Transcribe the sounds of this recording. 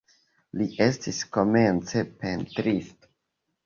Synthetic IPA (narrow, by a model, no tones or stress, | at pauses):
liʔe̞stisko̞me̞nt͡se̞pe̞ntɾisto̥